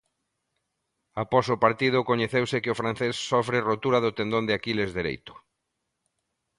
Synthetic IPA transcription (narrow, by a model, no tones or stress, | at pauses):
apɔsʊpaɾt̪iðʊkoɲeθewsɪkɪʊfɾan̟θesːɔfɾɪrot̪uɾaðʊt̪end̪õnd̪ɪakilezðeɾḛjt̪ʊ̥